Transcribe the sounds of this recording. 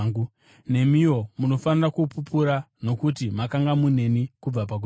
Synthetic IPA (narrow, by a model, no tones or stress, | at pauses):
ɡu | ne̞mio̞muno̞fanirakupupuɾa | no̞kutimakaŋɡamune̞nikub͡vap̬ak̬u